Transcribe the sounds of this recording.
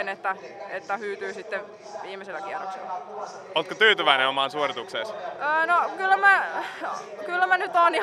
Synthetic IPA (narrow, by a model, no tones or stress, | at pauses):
net̪ːæet̪ːæhyːt̪yːsit̪ːeʋ | ʋiːmeselːækiero̰ksḛlːˑɑ | oːt̪kot̪yːt̪yʋæineomɑːnsuorit̪ukseːˑsəːnokylːæmæ | kylːæmænyt̪oni